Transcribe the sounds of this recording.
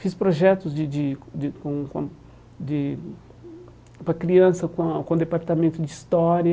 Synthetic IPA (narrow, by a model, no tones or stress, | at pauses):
fispɾoʒɛt̪ʊzd͡ʒɪd͡ʒ̪ɪd̪ɪkõkõ̰ | d̪ɪ | pɾɐkɾiɐ̃sɐkõkõd̪epaɾt̪ɐmẽnt̪ʊd̪ɪist̪ɔɾjɐ